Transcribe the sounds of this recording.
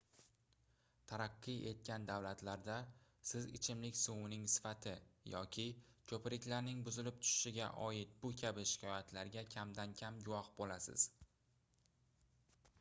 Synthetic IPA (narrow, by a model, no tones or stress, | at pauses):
t̪ʰaɾaqːɨe̞t̪̚kʲand̪awlat̪laɾd̪a | sɪzɪ̰t͡ʃʰɪmlɪkʲsuwɪnɪŋsɪ̥fat̪ʰɪjɒkʲʰɪkʰɵpɪɾɪkʲlaɾnɪŋbʊzɪlɪp̚t̪ʰʊ̥ʃɪ̥ʃɪɡʲa̰ʔɒjɪt̪̚bʊkʲʰabɪʃɪ̥kʲʰɒjat̪ʰlaɾɡʲakʲʰamd̪ankʲʰamɡʊwɒhbolasɪ̰z̥